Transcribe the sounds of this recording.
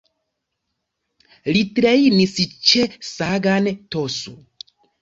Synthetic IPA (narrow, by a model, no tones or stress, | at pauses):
litɾejnist͡ʃesaɡantoso̰